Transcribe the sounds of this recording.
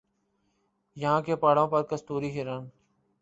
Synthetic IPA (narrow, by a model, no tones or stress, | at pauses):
jãːkeːpaːɽõːpəɾkəst̪uːɾiːɦɪɾaːn